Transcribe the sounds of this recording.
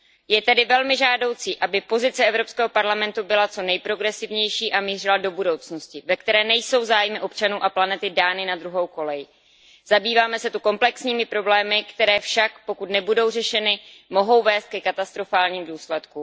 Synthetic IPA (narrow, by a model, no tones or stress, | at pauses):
jɛt̪ɛdɪvɛlmɪʒaːdo̞wt͡siːʔabɪpo̞zɪt͡sɛʔɛvɾo̞pskɛːɦo̞paɾlamɛnt̪ubɪlat͡so̞nɛjpɾo̞ɡɾɛsɪvɲɛjʃiːʔamiːr̝ɪlado̞budo̞wt͡sno̞scɪvɛk̚t̪ɛɾɛːnɛjso̞wzaːjmɪʔo̞pt͡ʃanuːʔaplanɛt̪ɪdaːnɪnad̪ɾuɦo̞wko̞lɛjɪ | z̥abiːvaːmɛsɛt̪uko̞mplɛksɲiːmɪpɾo̞blɛːmɪkt̪ɛɾɛːfʃakpo̞kut̪nɛbudo̞wrɛʃɛnɪmo̞ɦo̞wvɛːst̪̚kɛkat̪ast̪ɾo̞faːlɲiːmduːslɛt̪ku